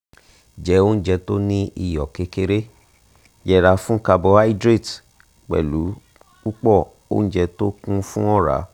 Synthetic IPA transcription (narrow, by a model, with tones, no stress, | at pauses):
d͡ʒɛ˨˦o˦n̩˦d͡ʒɛ˧to˦nĩ˦i˧˨jɔ˨ke˧˦ke˧˦ɾe˦ | jɛ˧˨ɾa˧fũ˦ka˧bɔ˧a˦i˦dɾe˦˨t | k͡pɛ̰˨lu˨˦ | u˦k͡pɔ˦˨ | o̰˦n̩˦d͡ʒɛ˧to˦kũ˦fũ˦ɔ˦˨ɾa̰˨˦